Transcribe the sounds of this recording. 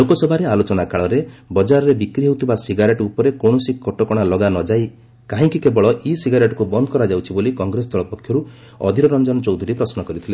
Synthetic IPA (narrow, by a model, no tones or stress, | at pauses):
lokɔsɔbʱaɾealot͡ʃɔnakaɭɔɾebɔd͡ʒaɾɔɾebikɾiɦewt̪ʰibasiɡaɾeʈupɔɾekoɳɔsikɔʈɔkɔɽ̃alɔɡanɔd͡ʒaj | kaɦĩŋkikebɔɭɔʔisiɡaɾeʈɔ̥kubɔnd̪ɔkɔɾad͡ʒawt͡ʃʰibolikɔŋɡɾesɔt̪ʰɔɭɔpɔkʰjɔɾu | ɔ̰d̪ʱiɾɔɾɔnd͡ʒɔnɔt͡ʃɔwd̪ʱuɾipɾɔsnɔkɔɾit̪ʰile